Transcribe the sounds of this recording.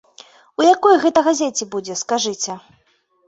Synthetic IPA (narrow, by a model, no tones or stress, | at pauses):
ujakɔjɣɛt̪ɐɣazʲet͡sʲɛbud͡zʲɛskaʐɨt͡sʲɛ